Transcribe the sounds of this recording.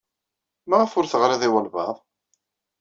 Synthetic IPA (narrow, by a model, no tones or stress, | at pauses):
mæʁəfʊɾθəʁɾæðiwælvɑðˤ